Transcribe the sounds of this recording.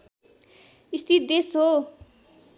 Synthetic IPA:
ist̪ʰit̪̚d̪esɦo

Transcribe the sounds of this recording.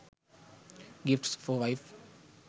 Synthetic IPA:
ɡɪfʈsfɔʋaɪf

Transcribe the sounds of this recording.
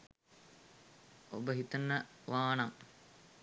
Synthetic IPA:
o̰bəɦit̪ənːəʋaːnɐŋ

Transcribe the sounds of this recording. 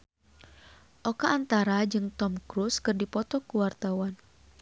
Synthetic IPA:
ʔɔkaːnt̪aɾad͡ʒɨŋt̪ɔmkɾuskɨrdipɔt̪ɔkuwart̪awan

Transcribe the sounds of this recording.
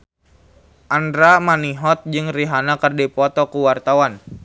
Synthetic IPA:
ʔandɾamaniɦɔt̪̚d͡ʒɨŋriɦanakərdipɔt̪ɔkuwart̪awan

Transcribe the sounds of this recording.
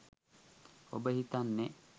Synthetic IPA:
obəɦit̪anːe

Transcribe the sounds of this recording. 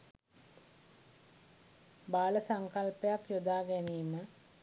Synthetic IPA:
baːləsaŋkalpəjakjod̪aːɡæniːmə

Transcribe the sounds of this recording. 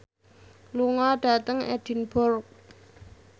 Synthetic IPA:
luŋɔɖ̥at̪aŋɛ̰d̥inbʊrk̚

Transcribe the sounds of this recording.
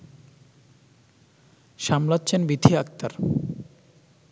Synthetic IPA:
ʃamlatːɕʰenbid̪ʱiak̚t̪aɾ

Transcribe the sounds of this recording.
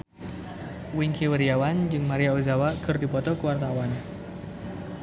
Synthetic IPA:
wiŋkiwəɾiawand͡ʒɨŋmaɾiauzawakɨrdipɔt̪ɔkəwart̪awan

